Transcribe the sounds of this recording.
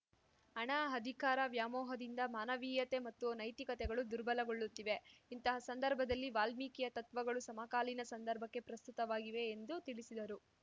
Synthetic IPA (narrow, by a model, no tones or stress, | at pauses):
ɐɳaːɦɐd̪ʱikaːɾɐʋjaːmɔːɦɐd̪ind̪ɐmaːnɐʋiːjɐt̪e̞mɐt̪ːunɐjt̪ikɐt̪ɛɡɐɭud̪uɾbɐlɐɡo̞ɭːut̪ːiʋe̞int̪ɐɦɐsɐnd̪ɐɾbʱɐd̪ɐlːiʋaːlmikijɐt̪ɐt̪ʋɐɡɐɭusɐmakaːlinɐsɐnd̪ɐɾbʱɐkːe̞pɾɐst̪ut̪ɐʋaːɡiʋe̞ːnd̪ut̪iɭisid̪ɐɾu